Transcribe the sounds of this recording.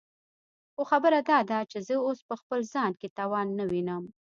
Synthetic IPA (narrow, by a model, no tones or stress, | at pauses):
xoxabəɾad̪ɑd̪at͡ʃezəospəxpəlzɑnket̪ɑwɑnːawinəm